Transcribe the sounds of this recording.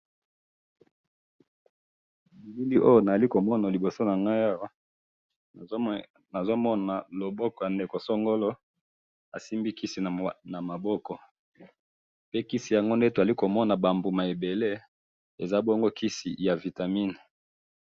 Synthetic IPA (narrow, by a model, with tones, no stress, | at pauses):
i˨bi˦li˦ʔo˦jo˦na˨za˨li˦ko˨mɔ˦na˨li˨bo˨so˦na˨ŋɡa˦ja˦˨ | na˨zo˦mɔ˦na˨lo˨bɔ˦kɔ˨ja˨nde˨ko˨so˦ŋɡo˦lo˦ | a˨si˦mbi˦ki˦si˨na˨ma˨bɔ˦kɔ˨ | pe˦ki˦si˨ja˨ŋɡo˦nde˦to˨za˨li˦ko˨mɔ˦na˨ba˨mbu˨ma˨e˨be˨le˦ | e˨za˦bo˦ŋɡo˦kʰi˦sḭ˨ja˨vi˨ta˨mi˦n˨